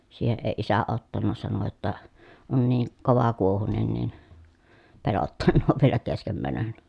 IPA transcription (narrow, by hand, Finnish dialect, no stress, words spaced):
siːheʔ ʔeĭ isæ otːɑnːɑ sɑno jotːɑ on niː koʋɑkuohunen nin pelotːɑnːoːʋ ʋielæ keskem mænøn